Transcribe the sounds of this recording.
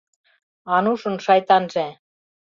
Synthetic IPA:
ɑnuʃɤ̆nʃɑjt̪ɑnʒæ

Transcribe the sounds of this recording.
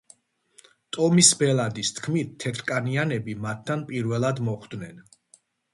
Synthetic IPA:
t̪ʼɔmisbɛlˠad̪ist̪ʰkʰmit̪̚ʰːɛt̪ʰɾkʼanianɛbimat̪ʰːanpʼiɾvɛlˠad̪mɔχd̪nɛn

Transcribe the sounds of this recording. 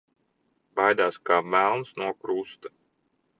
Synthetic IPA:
bajd̪aːskaːvælˠnsnuɔkɾust̪ḁ

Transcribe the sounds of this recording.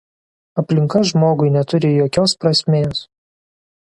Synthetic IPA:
ɐpʲlʲɪŋkɐʒmoːɡʊɪnʲɛt̪ʊɾʲɪjoːkʲoːspɾɐsʲmʲeːs

